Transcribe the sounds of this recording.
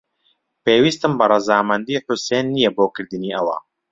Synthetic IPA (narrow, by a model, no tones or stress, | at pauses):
peːwist̪ɨmbɐrˤɐzaːmɐnd̪iːħusenːijɛboːkɨɾd̪ɨniːɐwɐ̰